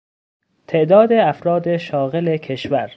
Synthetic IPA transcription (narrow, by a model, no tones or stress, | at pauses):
t̪ʰe̞ʔd̪ɒːd̪eæfɾɒːd̪eʃɒːɣelekʰe̞ʃvæɾ